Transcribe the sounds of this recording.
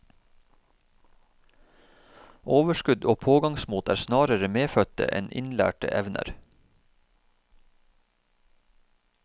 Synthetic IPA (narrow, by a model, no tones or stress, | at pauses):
ʔoːʋəʃkʉd̪oːpʰoːɡɑŋsmuːt̪ʰæ̰ːɾsnɑːɾəɾəmeːfœt̪ə̰ʔɛ̰nɪ̰nlæ̰ːʈə̰ʔɛʋnʔə̰ɾ